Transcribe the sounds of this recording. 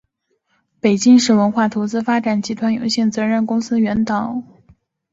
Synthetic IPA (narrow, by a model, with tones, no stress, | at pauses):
pe˨˩ɪt͡ɕi˥ŋʂɻ̩˥˩wə˧˥nxwa˥˩t̪ʰo˧˥ʊt͡sɹ̩˥fa˥ʈ͡ʂa˨˩nt͡ɕi˧˥t̪ʰwa˧˥njo̰˧˥ʊɕjɛ˥˩nt͡sɤ˧˥ɻə˥˩nkʊ˥ŋsɹ̩˥ɥɛ˧˥nt̪ɑ˨˩˦ʊ